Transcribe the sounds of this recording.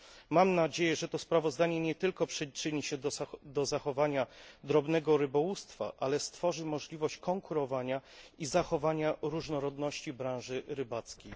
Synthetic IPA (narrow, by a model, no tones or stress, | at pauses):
mamnad͡ʑejɛʐɛt̪ɔspɾavɔzd̪aɲɛɲɛt̪ɘlkɔpʂɘt͡ʂɘɲiɕɛd̪ɔzaxɔvaɲad̪ɾɔbnɛɡɔɾɘbɔwust̪fa̰ʔalɛst̪fɔʐɘmɔʐlʲivɔɕt͡ɕkɔŋkuɾɔvaɲaizaxɔvaɲaɾuʐnɔɾɔd̪nɔɕt͡ɕibɾãw̃ʐɘɾɘbat̪skʲej